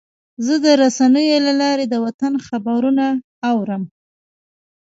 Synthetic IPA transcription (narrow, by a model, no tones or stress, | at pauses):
zəd̪əɾasanəjolalɑɾed̪əwat̪anxabaɾuna | awɾəm